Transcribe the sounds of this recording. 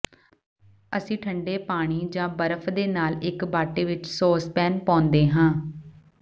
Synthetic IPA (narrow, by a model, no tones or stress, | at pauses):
əsĩːʈʰəɳɖeːpaːɽ̃iːd͡ʒãːbəɾəpʰd̪eːnaːlɪkbaːʈeːʋɪt͡ʃsoːspɛːnpãːnd̪eːɦãː